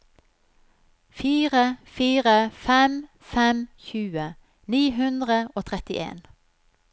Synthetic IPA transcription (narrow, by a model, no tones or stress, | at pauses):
fiːʁəfiːʁəfɛm | fɛmçʉːə | niːɦʉnd̪ʁəoːt̪ʰʁɛt̪ɪʔḛːn